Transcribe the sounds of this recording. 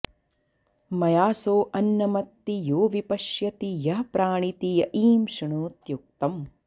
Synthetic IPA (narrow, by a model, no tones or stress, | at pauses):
mɐjaːsoːʔɐnːɐmɐt̪ːijoːʋipɐʃjɐt̪ijɐɦɐpɾaːɳit̪ijɐʔiːmʃiɳuːt̪juk̚t̪ɐm